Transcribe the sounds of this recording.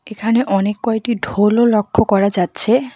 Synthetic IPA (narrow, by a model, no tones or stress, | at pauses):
ekʰaneʔɔnekːɔeʈiɖʱololokʰːokɔɾad͡ʑatːɕʰe